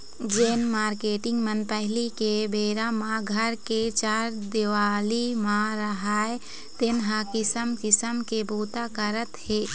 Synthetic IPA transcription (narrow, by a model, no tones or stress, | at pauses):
d͡ʒeːnmaːɾkeːʈɪ̃ŋɡmənpɛɦlikebeːɾamãɡʱəɾket͡ʃaːɾd̪ɪʋaːlimãɾəɦaːe | t̪ɪnɦãkɪsəmkɪsəmkebuːt̪akəɾət̪heː